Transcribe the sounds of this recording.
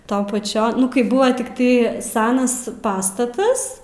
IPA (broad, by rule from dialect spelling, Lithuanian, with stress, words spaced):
ˈtɐʊn pɐˈt͡ʃʲɛn ˈnʊ kɐɪ ˈbʊʋɐ tʲɪkˈtɐɪ ˈsʲæːnɐs ˈpɑːstɐtɐs